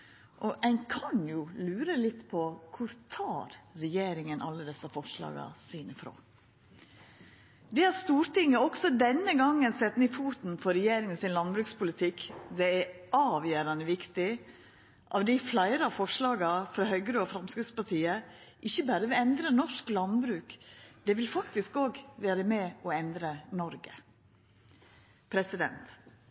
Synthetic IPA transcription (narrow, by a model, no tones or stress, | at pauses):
ʔɔʔæɪnkʰɑnjʊlʉːɾəlɪt̪ːpʰɔkʰʊɾt̪ʰɑːɾɾɛjeːɾɪŋənʔɑ̰lːəd̪ɛsɑfɔʂlɑ̰ːɡɑ̰sɪnɪfɾo̰ː | d̪ɛːhɑɾst̪uːɾt̪ɪŋːəɔksɔd̪ɛnːəɡɑŋːənsɛt̪nɪfuːt̪n̩fɔɾɛjeːɾɪŋənsɪnlɑnbɾʉːkspʊlɪt̪ʰɪkd̪ɛæɑːʋjøːɾɑnəʋɪkt̪ɪ | ʔɑ̰ːʋd̪ɪflæɪɾɑfɔʂlɑːɡɑfɾɑːhœʏɡəɾoːɔfɾɑmskɾɪɡ̪spɑʈʰiːəʔɪçːəbæːɾəʋɪɛnd̪ɾənɔʂklɑnbɾʉːkd̪̥ɛːʋɪlfɑkt̪ɪskoːɡʋæːɾəmɛɔɛnd̪ɾənɔɾɡə | pʰɾɛsɪd̪ɛ̰nt̪